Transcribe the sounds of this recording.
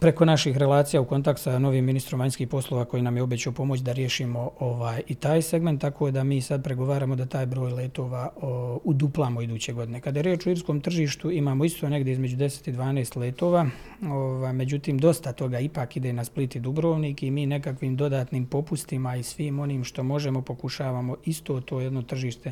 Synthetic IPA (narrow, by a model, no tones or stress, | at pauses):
pɾe̞ko̞naʃixɾe̞lˠaːt̪sijauko̞nt̪ak̚t̪sano̞ʋiːmːinist̪ɾo̞mʋaɲskiːhpo̞slˠo̞ːʋako̞jinamjeo̞bet͡ɕaopo̞mo̞t͡ɕd̪aɾje̞ʃiːmo̞oʋaːjit̪aːjse̞ɡment̪ːakʰo̞ːd̪amiːsad̪̚pɾe̞ɡo̞ʋaːɾaːmo̞d̪at̪aːjbɾo̞ːjleːt̪o̞ːʋaːud̪uplˠamoid̪uːt͡ɕe̞ɡo̞d̪ine̞kad̪aje̞ɾjeːt͡ʃoiɾskoːmt̪r̩ʒiːʃt̪uimaːmoist̪one̞ɡd̪jeizme̞d͡ʑud̪e̞se̥t̪id̪ʋaːneːst̪leːt̪o̞ːʋaː | oʋaːjme̞d͡ʑut̪iːmd̪o̞st̪at̪o̞ɡaipaːkid̪e̞ːnasplit̪id̪ubɾo̞ːʋniːkimiːne̞kakʋiːmd̪o̞d̪aːt̪niːmpo̞pust̪imaisʋiːmo̞niːmʃt̪o̞mo̞ʒe̞mo̞po̞kuʃaːʋaːmo̞ist̪o̞ːt̪o̞ːjed̪no̞t̪r̩ʒiːʃt̪e̞